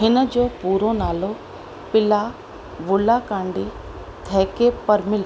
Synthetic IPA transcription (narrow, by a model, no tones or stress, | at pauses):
ɦɪnəd͡ʑoːpuːɾonaːlo | pɪla | ʋʊlakãːɳɖi | t̪ʰɛːkepɐɾmɪl